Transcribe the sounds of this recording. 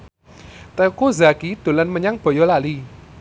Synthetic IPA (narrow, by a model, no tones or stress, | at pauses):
t̪eukozakid̪̥o̤lanməɲaŋb̥ɔ̤jɔlali